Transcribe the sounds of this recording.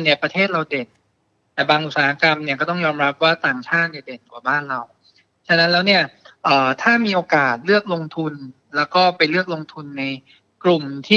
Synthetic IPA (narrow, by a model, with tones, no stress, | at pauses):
ni˥˩ɐpɾa˧t̪ʰeː˥˩t̪̚ɾa˧wde˨˩n | t̪ɛː˨˩baː˧ŋʔu˨˩t̪saː˨˩ha˧˥ka˧mni˥˩kɔː˥˩t̪ɔ˥˩ŋjɔː˧mɾa˦˥p̚waː˥˩t̪aː˨˩ŋt͡ɕʰaː˥˩t̪̚ni˥˩de˨˩nkwaː˨˩baː˥˩nɾa˧w | t͡ɕʰa˧na˦˥nlɛː˦˥wni˥˩ɐʔɤː˨˩t̪ʰaː˥˩miː˧ʔoː˧kaː˨˩t̪̚lɯ˥˩ək̚lo˧ŋt̪ʰu˧n | lɛː˦˥wkɔː˥˩pa˧jlɯ˥˩ək̚lo˧ŋt̪ʰu˧nːa˧j | klu˨˩mt̪ʰiː˥˩